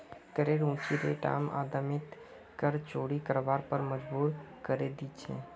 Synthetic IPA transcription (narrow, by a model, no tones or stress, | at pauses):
kəɾeːɾũːt͡ʃiɾeʈa̰ːma̰ːd̪əmɪt̪ | kəɾt͡ʃoːɽikəɾʋaːɾpəɾməd͡ʒbuːɾkəɾed̪iːt͡ʃʰḛ̃ː